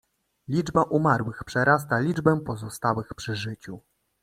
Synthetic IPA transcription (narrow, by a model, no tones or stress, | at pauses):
lʲid͡ʐbaʔumaɾwɘxpʂɛɾast̪alʲid͡ʐbɛpɔzɔst̪awɘxpʂɘʐɘt͡ɕu